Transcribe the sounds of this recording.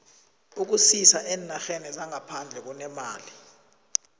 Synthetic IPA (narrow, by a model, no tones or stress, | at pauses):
uk̬usisaʔɛnaxɛnɛlaŋapʰand͡ɮʱɛk̬ɔnɛmaːli